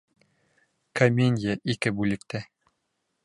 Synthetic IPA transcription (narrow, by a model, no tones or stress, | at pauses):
kɐmʲenʲjəʔikɘbʉlɘ̆k̚t̪æ